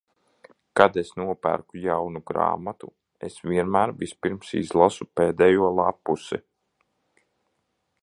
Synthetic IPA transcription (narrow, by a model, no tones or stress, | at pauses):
kad̪esnuɔpæ̰ɾkujawnuɡɾa̰ːmat̪u | esʋʲiɛnmæːɾvispiɾmsḭzlˠasupeːd̪ɛjuɔlˠapːusḭ